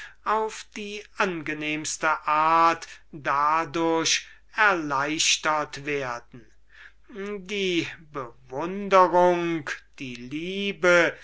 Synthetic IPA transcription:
aʊfd̥iːʔanɡəneːmst̪əʔaːɐtd̥adʊɐɕ | ɛɐlaɪʃtɐtv̥eːɐdn̩ | diːbəvʊndəʁʊŋkd̥iːliːbə

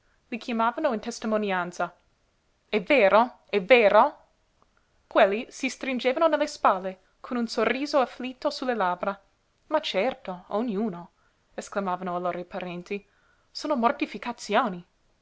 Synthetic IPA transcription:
likʰjamaːvanoint̪est̪imonjant̪sa | ɛveːɾo | ɛveːɾo | kwelːisist̪ɾind͡ʒeːvanonelːespalːe | kʰonunsorːiːzoaflit̪ːosulːelaːbɾa | mat͡ʃɛrt̪oonːjuːno | esklamaːvanoaloːɾajpaɾɛnt̪i | soːnomort̪ifikat̪sjoːni

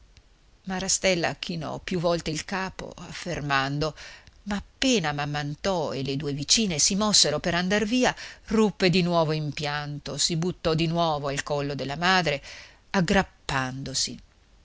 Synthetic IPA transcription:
maɾast̪ɛlːa̰k̟ʰinɔ̰pjuvːɔlt̪eilkaːpo̰afːermand̪omaːpːeːnamamːant̪ɔḛled̪uːevit͡ʃiːnesimɔsːeɾopeɾand̪arviːarupːed̪inwɔːvoimpjant̪osibut̪ːɔd̪inwɔːvoalkɔlːod̪elːamaːd̪ɾe | aɡɾapːand̪osḭ

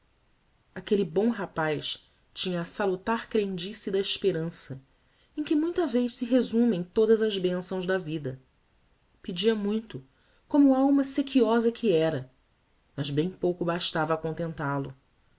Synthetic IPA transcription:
akelibõw̃ɦapajʃ | t͡ʃĩɲɐːsalut̪aχkɾẽŋd͡ʒisid̪ɐiʃpeɾɐ̃sɐ | ẽkɪmũj̃t̪ɐveʃsɪɦezũmẽj̃t̪od̪ɐzɐzbẽsɐ̃w̃zd̪ɐvid̪ɐ | pid͡ʒiɐmũj̃t̪ʊ | kõmʊawmɐsekʰiɔzɐkʰiɛɾɐ | mɐzbẽj̃powkʊbaʃt̪avɐːkõnt̪ẽnt̪alʊ

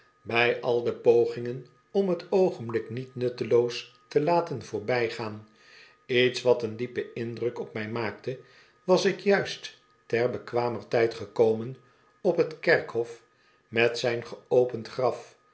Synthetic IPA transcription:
bɛjʔɑlˠdəpowχɪŋən | ɔmɦətowχənblɪknitnɵtəlowstəlaːtənv̥ʊːɹbɛjχaːn | itsʋɑtəndipəɪndrɵkɔpmɛjmaːk̚tə | ʋɑsɪkjœɥst | tɛrbəkʋaːmərtɛjtχəkowmən | ɔpɦətkɛɹkɦɔf | mɛtsɛjnχəowpəntχrɑf

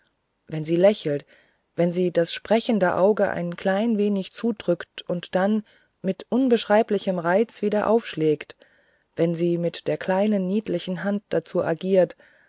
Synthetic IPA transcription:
vɛnziːlɛçl̩t | vɛnziːdasʃpʁ̥ɛçən̩dəʔaʊɡəʔa̰ɪnkl̥aɪnveːnɪçt͡suːdʁʏktʔʊntd̥an | mɪtʔʊnbəʃʁ̥aɪplɪçəmʁaɪt͡sv̥iːdɐʔa̰ʊfʃlɛːkt | v̥ɛnziːmɪtd̥eːɐkʰl̥aɪnənːiːtlɪçn̩ɦant̚d̥at͡suːʔa̰ɡiːɐt

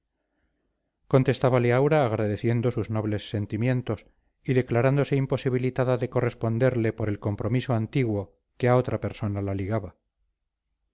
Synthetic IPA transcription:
ko̞nt̪e̞st̪aβaleawɾaːɣ̞ɾaðe̞θje̞nd̪osuzno̞β̞le̞sːe̞nt̪imje̞nt̪o̞s | iðe̞klaɾand̪o̞se̞impo̞siβilit̪aðaðe̞ko̞re̞spo̞nd̪e̞ɾle̞po̞ɾe̞lko̞mpɾo̞misoant̪iɣwo̞ | keao̞t̪ɾape̞ɾso̞nalaliɣaβa

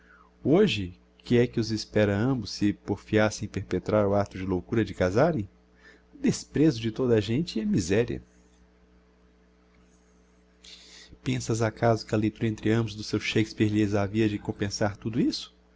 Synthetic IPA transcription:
oʒɪ | kʰɪɛkɪʊzɪspɛɾɐɐ̃mbʊsːɪpoɾfiasẽj̃peɾpet̪ɾaɾʊat̪ʊd͡ʒɪlowkuɾɐd͡ʒɪkazaɾẽj̃ | d̪espɾezʊd͡ʒɪt̪od̪ɐaʒẽnt͡ʃɪɛmizɛɾiɐ̰ | pẽsɐzakazʊkɪɐlejt̪uɾɐẽnt̪ɾɪɐ̃mbʊzd̪ʊsewʃejkɪspeɾlezaviɐd͡ʒɪkõmpẽsaɾt̪ud̪ʊisʊ̥

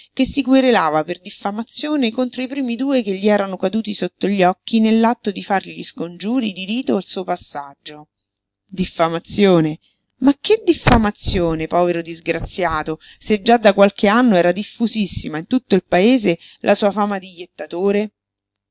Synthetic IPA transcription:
k̟esːikweɾelaːvaperd̪ifːamat̪sːjoːnekont̪ɾoipɾiːmid̪uːekeʎːiɛːɾanokad̪uːt̪̬isot̪ːoʎːɔk̟ːinelːat̪ːod̪ifarʎiskond͡ʒuːɾid̪iɾiːt̪oalsuːopasːad͡ʒːo | d̪ifːamat̪sːjoːne | mak̟ːed̪ːifːamat̪sːjoːnepɔːveɾod̪izɡɾat̪sːjaːt̪osed͡ʒad̪ːakwalkeanːoɛːɾad̪ifːuzisːimaint̪ut̪ːoilpaeːzelʔasuːafaːmad̪ijːet̪ːat̪oːɾe

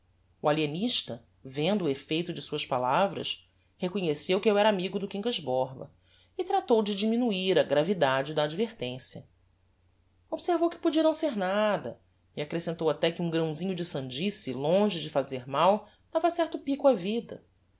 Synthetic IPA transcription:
ualieniʃt̪ɐ | vẽnd̪ʊefejt̪ʊd͡ʒɪsuɐʃpalavɾɐ̰ʃ | hekoɲesewkɪewɛɾɐamiɡʊd̪ʊkĩŋkɐʒbɔɾbɐ̰ | ɪt̪ɾat̪owd͡ʒɪd͡ʒiminuiɾɐɡɾavid̪ad͡ʒɪd̪ɐːd͡ʒveɾt̪ẽsjɐ̰ | obseɾvowkɪ̥pud͡ʒiɐnɐ̃w̃seɾnad̪ɐ̰ | iakɾesẽnt̪owat̪ɛkɪũŋɡɾɐ̃w̃zĩɲʊd͡ʒɪsɐ̃nd͡ʒisilõʒɪd͡ʒɪfazeɾmaw | d̪̥avɐsɛɾt̪ʊpikʊavid̪ɐ̰

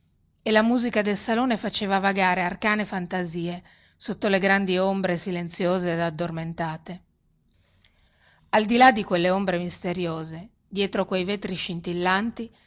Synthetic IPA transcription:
elamuːzikad̪elsaloːnefat͡ʃeːvavaɡaːɾearkaːnefant̪aziːe | sot̪ːoleɡɾand̪iombɾesilent̪sjoːzeːd̪ad̪ːorment̪aːt̪e | ald̪ilad̪ikwelːeombɾemist̪eɾjoːze | d̪jɛːt̪ɾokwejvet̪ɾiʃint̪ilːant̪i

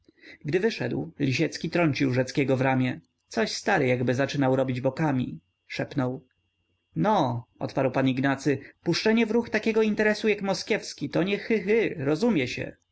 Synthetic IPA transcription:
ɡd̪ɘvɘʂɛd̪wlʲiɕɛt̪skʲit̪ɾɔɲt͡ɕiwʐɛt̪skʲɛɡɔvɾamʲjɛ | t̪sɔɕst̪aɾɘjaɡbɘzat͡ʂɘnawɾɔbʲid͡ʑbɔkamʲḭ | ʂɛpnɔw | nɔɔ̰t̪paɾwpaniɡnat̪sɘpuʂt͡ʂɛɲɛvɾuxt̪akʲɛɡɔint̪ɛɾɛsujakmɔskʲjɛfskʲit̪ɔɲɛxɘxɘɾɔzumʲjɛɕɛ̰

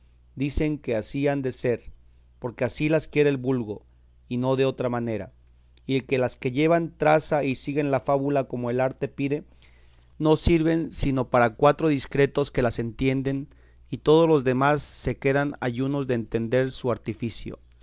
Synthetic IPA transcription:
d̪ise̞ŋke̞asiand̪e̞se̞ɾ | po̞ɾke̞asilaskje̞ɾeːlβulɣo̞ | ino̞ðe̞o̞t̪ɾamane̞ɾa̰ | ielke̞laske̞ʝe̞βant̪ɾasaisiɣe̞nlafaβulako̞moe̞laɾt̪e̞piðe̞ | no̞siɾβe̞nsino̞paɾakwat̪ɾo̞ðiskɾe̞t̪o̞ske̞lase̞nt̪je̞nd̪e̞n | it̪o̞ðozlo̞zðe̞masːe̞ke̞ðana̰ʝuno̞zðeːnt̪e̞nd̪e̞ɾsuaɾt̪ifisjo̰

